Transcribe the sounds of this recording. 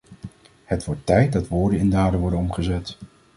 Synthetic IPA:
hətʋɔɹtːɛjt̚dɑtʋoːɹdənɪndaːdənʋɔɹdənɔmχəzɛt

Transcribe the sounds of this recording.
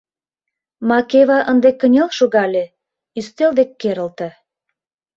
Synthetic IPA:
mɑkeβɑʔənd̪ekːənʲelʃoɣɑlʲe | yst̪eld̪ekːeɾə̆lt̪ĕ

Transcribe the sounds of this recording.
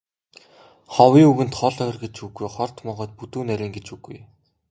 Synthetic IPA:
χɔwiːŋuɣɘ̆nt̪χɔɮœx̆ʲrɡet͡ɕuɣujχɔr̥t̪mɔʁɔ̆ːt̪̚put̪uːnæɾʲɪ̆ːŋɡet͡ɕuɣuj

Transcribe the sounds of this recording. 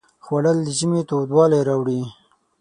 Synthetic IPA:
xwaɽəld̪əʒimet̪od̪wɑlajɾɑwɽi

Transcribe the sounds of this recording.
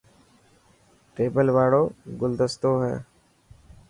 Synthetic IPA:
ʈeːbəlʋaːɽoːɡʊld̪əst̪oːɦɛ̰ː

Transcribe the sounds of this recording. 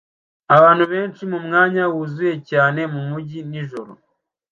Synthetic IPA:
aβaːnhuβe̞ːnʃimumŋaːɲawuzuje̞caːne̞mumuɟiniʒoɾo̰

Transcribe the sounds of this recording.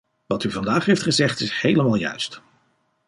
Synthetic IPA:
ʋɑtyvɑndaːχɦejftχəzɛχtɪshejləmaːlˠjœ̰ɥst

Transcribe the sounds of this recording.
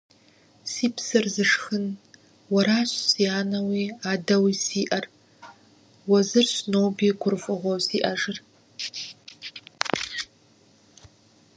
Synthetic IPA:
siːpʰsɨrzɨʂxɨn | wɐɾaːɕsiaːnɐwiaːdɐwisiːʔɐr | wɐzɨrɕnowbiːɡʷʊrfʷʼɨʁʷɐwsiːʔɐʐɨr

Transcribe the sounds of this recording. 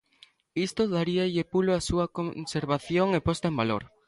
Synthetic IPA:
ist̪oðaɾiaʎepuloasuɐkonseɾβaθjoŋepost̪aembalo̰ɾ

